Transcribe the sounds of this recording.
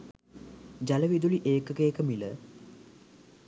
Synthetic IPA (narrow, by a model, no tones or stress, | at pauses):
d͡ʒaləʋid̪uliʔeːkəkeːkəmilə